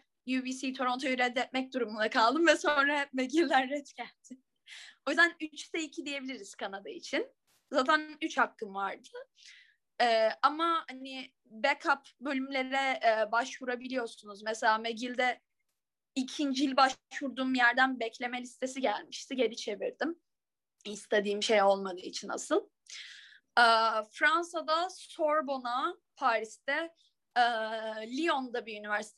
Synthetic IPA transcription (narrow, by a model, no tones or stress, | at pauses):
jubisit̪ʰo̞ɾo̞nt̪ʰoyɾɛd̪ɛt̪̚mɛc̚d̪uɾumunakʰalˠd̪ɯmvɛsonɾameɟilʲd̪ænːɛt̪cælʲd̪̥ɪ | o̞jyzd̪ænyt͡ʃt̪ʰɛicʰid̪ije̞bilʲiɾiz̥kʰanad̪ait͡ʃʰin | zaːt̪ʰænyt͡ʃhakːɯmvaɾd̪ɯ | ɛːamahani | bɛkʰapbølʲymlʲe̞ɾɛːbaʃvuɾabilʲijo̞ɾsunuzmɛselʲaːmeɟilʲd̪ɛ | icʰind͡ʒilʲbaʃvuɾd̪uːmjæɾd̪ænbɛcʰlʲe̞melʲist̪ʰe̞siɟælʲmiʃt̪ʰiɟe̞ɾʲit͡ʃʰe̞vḭɾd̪im | ist̪ʰe̞d̪iːmʃe̞jo̞lˠmad̪ɯːit͡ʃʰina̰sɯlˠ | ɛːfɾansad̪asoɾbo̞na | pʰaːɾist̪ʰɛ | ɛːlʲio̞nd̪abiynivæɾsi̥t̪